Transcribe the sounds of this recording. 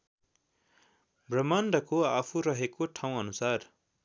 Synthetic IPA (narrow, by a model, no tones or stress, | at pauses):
brʌmanɖʌkoapʰuɾʌɦekoʈʰaw̃ʌnusar